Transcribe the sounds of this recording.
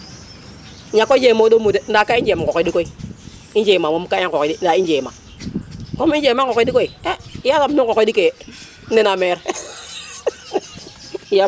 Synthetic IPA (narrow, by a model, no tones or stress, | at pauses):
ɲakoid͡ʒemodomuden̩dakaiɲd͡ʒekokɔidikoi | ind͡ʒemamomkaiŋoin̩daind͡ʒema | momind͡ʒemakokɔdikoiɛjasamnukokoidike | enameɾ | ja